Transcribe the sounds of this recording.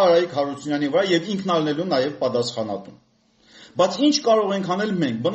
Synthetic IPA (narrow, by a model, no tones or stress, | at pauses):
ɑɾɑjikʰhɑɾut͡sʰunjɑnivəɾɑjɛviŋkʰnɑlnɛlunɑjɛvpɑt̪ɑsχɑnɑ̰t̪um | bɑjt͡sʰint͡ʃʰkɑɾɔʁɛŋkʰɑnɛlmɛŋk̚ʰbən